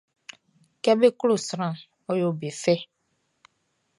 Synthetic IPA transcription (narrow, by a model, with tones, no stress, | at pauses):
kɛ˦be˦klo˨sɾã˦˨ | ɔ˦jo˨be˨fɛ˦